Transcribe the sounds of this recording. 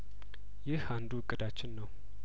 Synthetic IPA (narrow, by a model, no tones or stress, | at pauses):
jɪhand̪uɨkʼːɨd̪at͡ʃːɪnːəw